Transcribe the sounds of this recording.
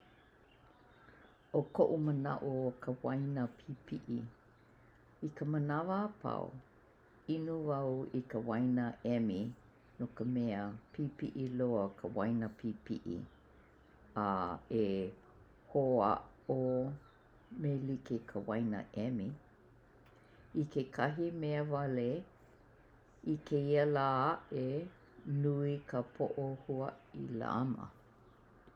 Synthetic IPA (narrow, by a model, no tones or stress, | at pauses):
okoʔumənɐ̰ʔuokʰəwajnəpʰipʰiʔi | ikəmənɐvəːpa̰w | inuvɐwikəwajnəʔɛmi | nokəmɛəpʰipiʔiloəkʰəwajnəpʰipiʔḭ | ae | hoa̰ | o | melikekʰəwajnə̰ʔɛmi | ikʰekʰɐɦimeəvɐle | ikʰeiəlaːaʔe | nuikʰəpʰoʔohuəila̰ɐ̰mə̰